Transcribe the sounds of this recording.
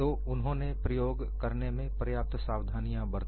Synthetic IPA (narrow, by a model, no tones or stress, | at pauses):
o | ʊnɦõːnepɾəjoːɡ | kɐɾnemẽpɾəjaːp̚t̪saːwd̪ʱaːnijãbɐɾt̪